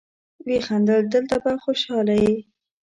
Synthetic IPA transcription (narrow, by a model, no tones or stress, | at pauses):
wexand̪əld̪əlt̪abaxoʃɑlaji